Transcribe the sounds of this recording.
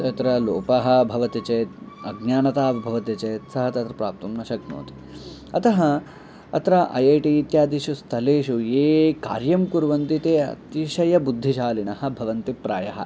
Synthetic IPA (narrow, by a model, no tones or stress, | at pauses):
t̪ɐt̪ɾɐloːpɐɦɐ̆bʱɐʋɐt̪it͡ʃɐːt̪̚ɐɡɲaːnɐt̪aːbʱɐʋɐt̪it͡ʃeːt̪sɐɦɐt̪ɐt̪ɾɐpɾaːp̚t̪umnɐʃɐɡno̰ːt̪i̥ | ɐt̪ɐɦɐ | ɐ̰t̪ɾɐʔɐ̰jɐjʈiːt̪jaːd̪iʃust̪ʰɐleːʃujeːka̰ːɾjɐmkuɾʋɐnt̪it̪eːɐ̰t̪iʃɐjɐbud̪ʱːiʃaːlinɐhɐ̆bʱɐʋɐnt̪ipɾa̰ːjɐɦɐ